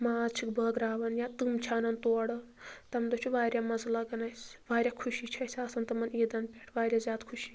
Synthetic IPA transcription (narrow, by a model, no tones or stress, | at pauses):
maːt͡ʃʰikbɐːɡɾaːʋɐnjat̪ɨmt͡ʃʰanɐnt̪oːɽɐ | t̪ɐmd̪ot͡ʃʰuʋaːɾʲjamɐzlɐɡɐnɐjsʋaːɾʲjakʰuʃit͡ʃʰɐsʲɐsɐnt̪ɐmɐniːd̪ɐnpʲeʈʰʋaːɾʲjazʲjaːd̪kʰuʃi̥